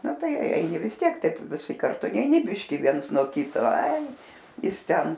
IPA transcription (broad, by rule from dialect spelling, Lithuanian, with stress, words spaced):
ˈnɐ ˈtɐɪ ˈɛɪnʲɪ ʋʲɪs ˈtʲiɛk ˈtɐɪp ʋʲɪˈsʲɪ kɐrˈtʊ nʲɛɪˈnʲɪ ˈbʲɪʃʲkʲiː ˈʋʲiɛns nuɔ ˈkʲɪtoː ɐɪ ˈjɪs ˈtʲɛn